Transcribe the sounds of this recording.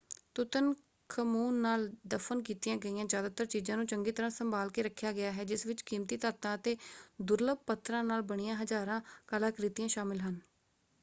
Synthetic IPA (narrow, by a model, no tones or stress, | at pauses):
t̪ʊt̪ən | kʰəmuːnːaːld̪əfʰənkiːt̪ijãːɡəiːjãːzjaːd̪aːt̪əɾt͡ʃiːzãːnũːt͡ʃəŋɡiːt̪əɾãːsəmbaːlkeːɾəkʰːjaːɡɪjaːɦɛːd͡ʒɪsʋɪt͡ʃkiːmt̪iːt̪aːt̪ãːət̪eːd̪ʊɾləb̚pət̪ʰːɾãːnaːlbəɳ̃ɪijãːɦəzaːɾãːkəlaːkɾɪt̪ijãːʃaːmɪlɦən